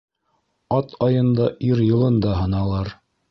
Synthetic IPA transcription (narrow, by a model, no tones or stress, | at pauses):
ɑt̪ʰɑjɤ̆nd̪ɑʔiɾjɤ̆lˠɤnd̪ɑɦɤ̆nɑlˠɑɾ